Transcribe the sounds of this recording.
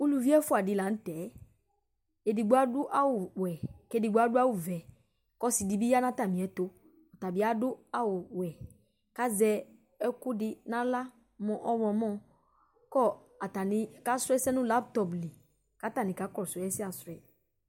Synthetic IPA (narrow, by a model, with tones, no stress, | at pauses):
u˦lu˨vi˦ɛ˦fʊ˦a˨dɪ˨la˨n̩˦tɛ˨˦ | e˨di˨ɡ͡bʊ˦a˦dʊ˦ʔa˦wʊ˨wɛ˨ke˦di˨ɡ͡bʊ˦a˦dʊ˦a˦wʊ˨vɛ˨ | kɔ˦si˨di˨bi˦ja˦nã˦t̪a˨mĩ˨ɛ˨t̪o˦ | ɔ˨ta˨bɪ˨˦a˦dʊ˦a˦wʊ˨wɛ˨ | ka˦zɛ˨˦ | ɛ˦kʊ˦dɪ˦nã˦la˦ | mɔ̃˨ʔɔ˦wɔ̃˨mɔ̃˦ | kɔ˦˨ | a˨ta˨nɪ̃˨ka˦sɛ˦sɛ˦nʊ̃˦la˦p̚t̪ɔ˨pli˨ | ka˨˦ta˨nɪ̃˨ka˨˦kɔ˦˨sɛ˨˦ɛ˦sɪ˦a˨sɾɛ˨